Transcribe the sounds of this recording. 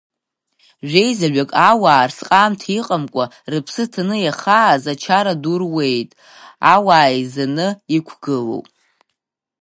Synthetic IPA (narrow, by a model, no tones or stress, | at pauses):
ʒᶣejzaɥʷᶣakʼawaːrsqʼaːmtʰiqʼamkʷʼa | rɨpʰsɨtʰanɨjaχaːzat͡ʃʰaɾadurwe̞jtʼ | awaːizanɨikʷʰɡ̥ɨlo̰wpʼ